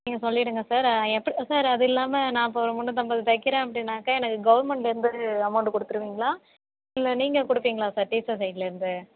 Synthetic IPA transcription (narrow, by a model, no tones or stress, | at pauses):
niːŋɡɐsɔlːɪɪɽɯŋɡɐsaːɾɛpːɐɽsaːɾɐðɯɪlːaːmɐnãːp̬oːʋɾɐmɔɳnːɯ̃t̪ɐmbɐːðɐt̪ɐɪkːɪɾẽːɐpːɐɽɪnːaːkːaːɛnɐkːɯɡɐʋɐɾmɛɳʈlɪɾɯnd̪ɯɐmɐʊɳɖɯkɔɽɯt̪ːɯɾɯʋiːŋɡɐɭaː | ɪlːɐniːŋɡɐkɔɽɯpːiːŋɡɐɭaːsaːɾʈiːsɐsɐjʈlɪɾɯnd̪ɯ